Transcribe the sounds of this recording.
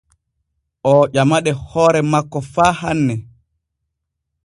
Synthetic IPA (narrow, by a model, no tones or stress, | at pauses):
ʔɔʄamaɗɛhɔːɾɛmakːɔfaːhanːɛ